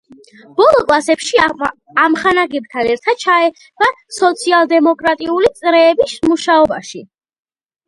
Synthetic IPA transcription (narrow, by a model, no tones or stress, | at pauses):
b̥ɔlˠɔkʼlˠasɛpʃi | amχanaɡɛb̚t̪ʰanɛɾt̪ʰad̪̥̚t͡ʃʰaɛ | basɔt̪sʰialˠd̪ɛmɔkʼɾat̪ʼiulit̪sʼɾɛːbismuʃaɔbaʃi